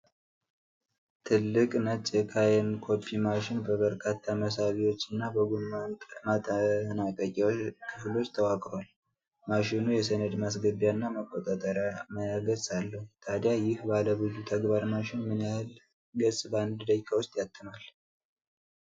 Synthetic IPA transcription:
t̪ʰɨlːɨkʼnət͡ʃʼjɛkʰajɛnkʰo̞pʰːimaʃɪnbəβəɾkʰat̪ʰːaməs̬aβiwo̞t͡ʃːɨnːabəɡumant̪ʼmat̪ənakʼəkʼikʰɨflo̞t͡ʃːt̪ʰəwakʼɾoal | maʃɪnujɛs̬ənəd̪mas̬ɡəbjaɨnːaməkʼːot̪ʼat̪ʼəɾjaməjaɡəsalːəhut̪ʰad̪jajɪhbaləβɨzut̪ʰəɡbaɾmaʃɪnmɨnjahl | ɡəsʼband̪d̪əjkʰawʊst̪ʼjat̪ʰʼːɨmal

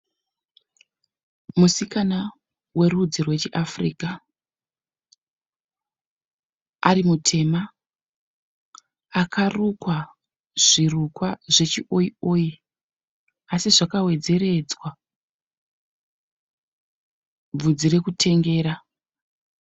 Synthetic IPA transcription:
musikana | we̞rud͡zirwe̞t͡ʃiʔafrḭːka | aɾimutʰe̞ma | kʰarukwa | ʐ̥irukwaʐe̞t͡ʃiʔo̞ioːji | asiʐakawe̞d͡ze̞ɾe̞d͡zwa | b͡vud͡ziɾe̞kutʰe̞ŋɡe̞ːɾa

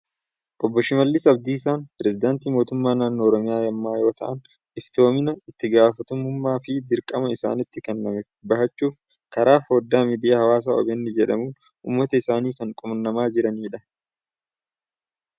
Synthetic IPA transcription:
ʔɔbːɔʃɪmɐlːɪsɐbd̪iːs̬aːnpɾɛsɪd̪aːnt̪iːmoːt̪ʊmːaːnaːnːoːɾɔmɪjaːjɐmːaːjo̞ːt̪ɐʔɐn | ɪft̪o̞ːmɪnɐɪt̪ːɪɡaːfɐt̪ʊmʊmːaːfɪd̪ɪɾkʼɐmɐɪsa̰ːnɪt̪ːɪkɛnːɐmɛ | bɐɦɐt͡ʃːuːf | kɐɾaːfɐːd̪ːaːmid̪ɪahɐwaːs̬aːɔ̰bɛnːɪd͡ʒɛᶑɐ̰muːn | ʊ̰mːɐt̪ɐɪsaːniːkɐŋkʼʊmɐnːɐmaːd͡ʒɪɾɐniːᶑɐ

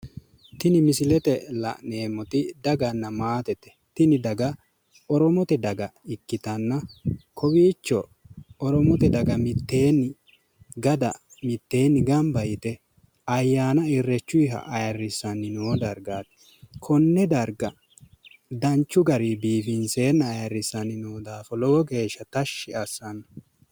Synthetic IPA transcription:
t̪ɪnɪmɪsɪlɛt̪ɛlɐ̰ʔneːmːɔt̪ɪd̪ɐɡɐnːɐmaːt̪ɛt̪ːɛ̥ | t̪ɪnɪd̪ɐɡɐ | ɔɾɔmɔt̪ɛd̪ɐɡɐɪkːɪt̪ɐnːɐkʰɔwiːt͡ʃːɔ | ɔɾɔmɔt̪ɛd̪ɐɡɐmɪt̪ːe̞ːnːɪ | ɡɐd̪ɐ̰mɪt̪ːe̞ːnːɪɡɐmbɐjɪt̪ɛ | ɐjːaːnɐɪrːɛt͡ʃːʊɪɦɐ̰ʔɐjɐrːɪsɐnːɪnɔwɔd̪ɐɾɡaːt̪ɛ̥ | kʰɔnːɛd̪ɐɾɡɐ | d̪ɐnt͡ʃːʊɡɐɾibiːfɪnse̞ːnːɐːjɐrːɪsɐnɪnuːd̪aːfɔlɔwɔɡe̞ːʃːɐt̪ɐʃːɪʔɐsːɐnɐ

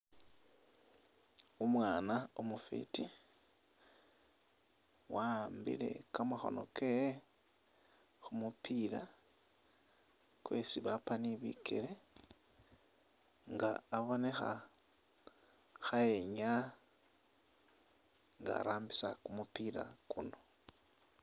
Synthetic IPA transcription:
umwaːnaomufḭti | waːmbḭle̞̰kamaxo̞̰nokej | xumupila | kwe̞siβapaniβḭkʰele̞ | ŋɡa̰ːβo̞ne̞xa̰ | xaeɲa | ŋɡa̰ːɾaːmbisakumupila̰kuno̞

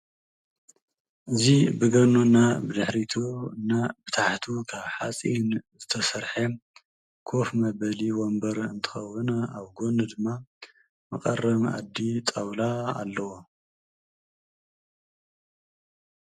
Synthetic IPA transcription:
ʔɨzibɨɡɐnunːabɨd̪ɨħɾit̪ʰuɨnːabɨt̪ʰaħt̪ʰukʰaβħat͡sʼinzɨt̪ʰɐsɐɾħɐ | kʰo̞fmɐbɐliwombɐɾɨ̰nt̪ʰɨ̥xɐwːɨnaβɡo̞nɨd̪ɨmːa | mɐkʼɐrːɐma̰d̪ːit̪ʼɐwlaa̰lːɐwo

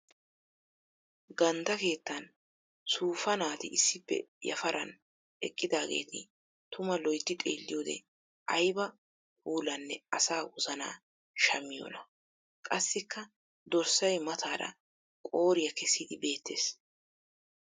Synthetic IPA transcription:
ɡɐnd̪ɐke̞ːt̪ːɐn | suːfɐnaːt̪ɪʔɪsːɪpːɛ̰jɐ̰fɐɾʔɐn | ɛ̰kʼːɪd̪aːɡḛːt̪ɪ | t̪ʊmɐlɔjt̪ːɪt̪ʼḛːlːɪjoːd̪ɛ̰ | ʔɐjbɐ | puːlɐnːɛɐsaːwʊzɐna̰ː | ʃɐmːɪjo̰ːnɐ | kʼɐsːɪkːɐ | d̪ɔɾsɐjmɐt̪aːɾɐ̰ | kʼo̞ːɾɪjɐkɛsːɪd̪ɪbe̞ːt̪ːe̞ːs

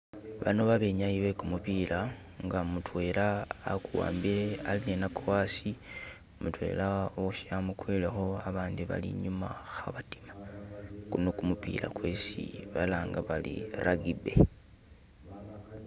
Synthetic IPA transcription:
βa̰no̞βaβe̞ɲaiβe̞kumupiːla | ŋɡamutwe̞ːlaːkuwa̰ːmbiɾe̞alinenakowaːsi | mutwe̞̰ːlaoʃamukwelexo̞aβaːndiβa̰lḭɲumaxaβati̥makunokumupḭːla̰kwe̞sḭβalaːŋɡaβalḭɾaɡibe̞

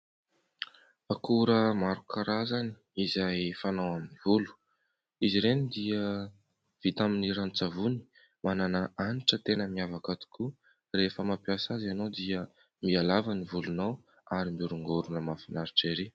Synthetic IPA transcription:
akuɾəmaɾukʰaɾazani̥ | izajfanawaminivulu̥ | iziɾenid̪iə | v̥it̪aminiɾant͡savuni̥ | mananəaniʈ͡ʂət̪enəmiavakat̪u̥kʰu | refəmapjasazanowd̪iə | mialavənivulunaw | aɾimuɾuŋɡoɾunəmafinaɾiʈ͡ʂeɾi

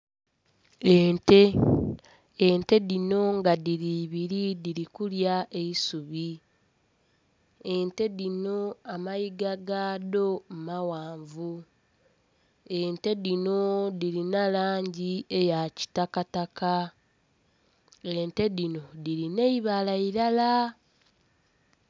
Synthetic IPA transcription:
ente | ente̞ðino̞ŋɡaðiɾiβiɾidiɾikuljaʔe̞isuβi | ente̞ðino̞amajiɡaɡaːdo̞mumawaːɱvu | ente̞ðino̞diɾinalaːɲɟie̞jaci̥takataka | e̞nte̞dino̞diɾine̞iβalaiɾala

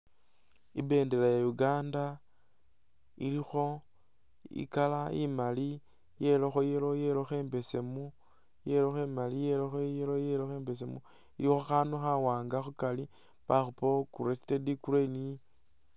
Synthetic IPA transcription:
ibe̞ːnde̞lajajuɡaːnda | ḭlixo̞ | ḭkalaḭmali | je̞loxo̞jelo̞je̞loxe̞ːmbe̞se̞mu | je̞loxe̞malijeloxojelojeloxeːmbe̞s̬e̞mu | ilixoxanuxawaːŋɡaxukali | paxupokuɾesi̥tedikuɾeni

